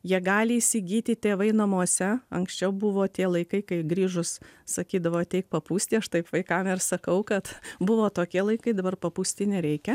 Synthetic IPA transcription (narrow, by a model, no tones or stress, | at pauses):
jiɛɡɑːlʲɪiːsʲɪɡʲiːt̪ʲɪt̪ʲeːʋɐɪnɐmuɔsʲɛɐŋksʲt͡ʃʲɛʊbʊʋoːt̪ʲiɛlˠɐɪkɐɪkɐɪɡɾʲiːʒʊssɐkʲiːd̪ɐʋoːt̪ʲɛɪk̚pɐpuːsʲt̪ʲiːɐʃt̪ɐɪpʋɐɪkɐmɪrsɐkɐʊkɐt̪bʊʋoːt̪oːkʲiɛlˠɐɪkɐɪd̪ɐbɐrpɐpuːsʲt̪ʲiːnʲɛɾʲɛɪkʲɛ